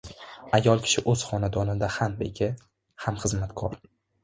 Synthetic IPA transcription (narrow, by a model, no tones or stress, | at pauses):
ajɒlˠkʲʰɪ̥ʃɪʔɵz̥χɒnad̪ɒnɪd̪ahambeɡʲɪ | hamχɨzmat̪kʰɒɾ